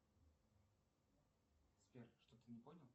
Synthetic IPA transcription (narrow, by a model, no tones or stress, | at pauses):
smʲerʂt̪ot̪ɨnʲɪponʲɪlˠ